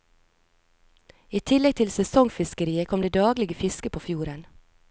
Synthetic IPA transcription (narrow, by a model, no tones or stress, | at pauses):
iːt̪ʰɪlɛɡ̚t̪ʰɪlsɛsɔŋfɪskəɾiːəkʰɔmd̪eːd̪ɑːɡlɪɡəfɪskəpʰoːfjuːɾən